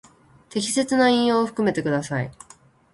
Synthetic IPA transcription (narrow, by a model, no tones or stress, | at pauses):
t̪e̞kʲi̥se̞t͡sɨnaĩɰ̃jo̞ːɸɯ̥kɯ̟me̞t̪e̞kɯ̟d̪asaḭ